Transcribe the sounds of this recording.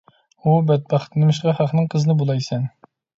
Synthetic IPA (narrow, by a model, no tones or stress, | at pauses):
ubɛt̪̚bɑχt̪ʰɨnɨmɪʃ̬qɑχɑχnɨŋqʰəzɨnɨbolˠɑjsɛn